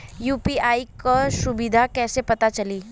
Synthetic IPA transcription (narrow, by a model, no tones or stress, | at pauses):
juːpiaːikaʃʊbɪd̪ʱakɛːsepɐt̪at͡ʃɐliː